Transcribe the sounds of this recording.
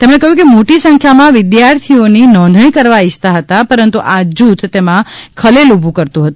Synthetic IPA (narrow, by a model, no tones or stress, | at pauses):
t̪emɽ̃ekəɦjũkemoʈisə̃ŋkʰjamãʋɪd̪jaɾt̪ʰioninɔ̃nd̪ʱɽ̃ikəɾʋaid͡ʒt̪aɦət̪apəɾənt̪uʔad͡ʒut̪t̪emãkʰəlelubʱũkəɾt̪ũɦət̪ũ